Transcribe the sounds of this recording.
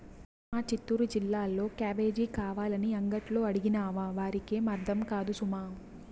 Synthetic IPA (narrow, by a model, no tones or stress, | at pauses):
s | maːt͡ʃit̪ːuɾud͡ʒilːaːlːo̞ːkjaːʋe̞ːd͡ʒiːkaːʋaːlɐniɐŋɡɐʈlo̞ːɐɽiɡinaːʋaːʋaːɾikeːmɐɾd̪ʱɐmkaːd̪usumaː